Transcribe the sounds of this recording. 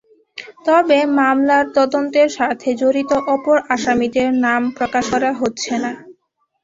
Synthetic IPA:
t̪ɔbemamlaɾt̪ɔd̪ont̪eɾʃat̪ʰed͡ʑoɾit̪oʔɔpoɾaʃamid̪eɾnampɾokaʃkɔɾaɦotːɕʰena

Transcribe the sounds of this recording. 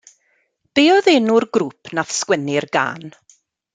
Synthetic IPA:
b̥eːɔðenʊrɡɾuːpʰnaθskwɛnɪrɡa̰ːn

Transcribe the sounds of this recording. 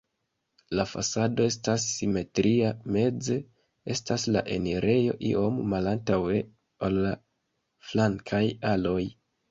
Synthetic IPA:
lafa̰sado̞e̞stasːime̞tɾiame̞d͡ze̞ | e̞stasla̰ʔe̞̰neɾʔe̞jo̞̰ʔḭʔo̞mːalantawe̞ | olːa | flaŋkʰajalo̞j

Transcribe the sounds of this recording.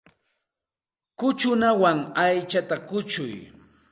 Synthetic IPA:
kʊt͡ʃʊnawaŋajt͡ʃat̪akʊt͡ʃʊ̰j

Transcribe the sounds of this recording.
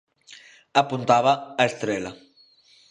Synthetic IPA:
apunt̪aβaːest̪ɾela

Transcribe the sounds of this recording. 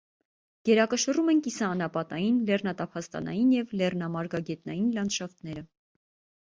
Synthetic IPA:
ɡ̥ɛɾɑkəʃərumɛnkisɑːnɑpɑt̪ɑjinlɛrnɑt̪ɑpʰɑst̪ɑ̰nɑ̰jinjɛvlɛrnɑmɑɾɡɑɡɛt̪nɑjinlɑnʃɑft̪nɛɾə

